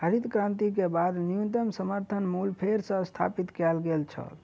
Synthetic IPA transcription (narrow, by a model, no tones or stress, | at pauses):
ɦəɾit̪kɾãnt̪ikebad̪niunt̪əmsəməɾt̪ʰənmulpʰeɾsə̃st̪ʰa̰pit̪kɛlɡelt͡ʃʰə̰l